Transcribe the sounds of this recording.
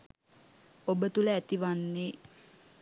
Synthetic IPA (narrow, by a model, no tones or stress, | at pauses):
obət̪uləæt̪iʋanːe